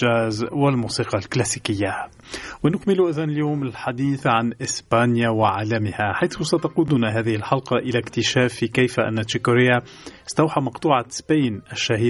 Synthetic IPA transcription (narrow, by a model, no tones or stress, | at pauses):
aːzwɪlmuːsiːqɑlklæsikɪjːa | wɪnʊkmɪluʔæðæːnɪljuːmɪlħad̪iːθʕanʔɪsbaːnjawɪʕaːlamɪhaħajθʊsat̪ɑquːd̪ʊnaɦæːðɪhɪlħɑlqɑʔɪlækt̪ɪʃæːfːikajfʔɪ̰nːat̪ːikʊɾɪja | st̪awħamɑqt̪ˤuːʕasbaːnɪʃːahiː